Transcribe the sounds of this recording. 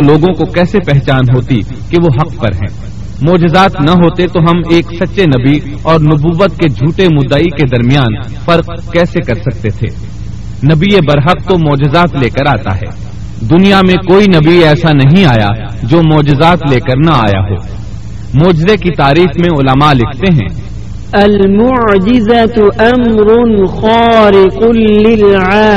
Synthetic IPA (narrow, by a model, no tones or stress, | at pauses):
loːɡõkokɛːsepɛɦt͡ʃaːnɦoːt̪i | keʋoɦɐqpɐɾɦɛ̰̃ː | mɔːd͡ʒɪzaːt̪nɐɦoːt̪et̪oɦɐmeːksɐtːʃenɐbi | ɔːɾnʊbuːʋət̪ked͡ʒʱuːʈemʊd̪ːaiked̪ɐɾmijaːn | fɐɾq | kɛːsekɐɾsɐk̚t̪et̪ʰḛː | nɐbiebɐɾɦəq̚t̪omɔːd͡ʒɪzaːt̪leːkəɾaːt̪a̰ɦɛ̰ː | d̪ʊnijamẽkoːinɐbiɛːsanɐɦĩaːja̰ | d͡ʒoːmɔːd͡ʒɪzaːt̪leːkəɾnɐa̰ːja̰ɦo̰ː | mɔːd͡ʒɪzekit̪aːɾiːxmẽʊləmalɪkʰt̪eɦɛ̰̃ː | ɐlmʊʕd͡ʒɪzɐt̪ʔɐmɾʊnxaːɾɪqʊːɪlʕaː